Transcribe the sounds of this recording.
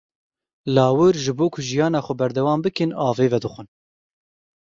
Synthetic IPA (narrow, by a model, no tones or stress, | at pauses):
lɑːwɨɾʒɨboːkʰʊʒijɑːnɑːxʷɛbɛɾd̪ɛwɑːmbɨkɨnɑːveːvɛd̪ɨxʷɨn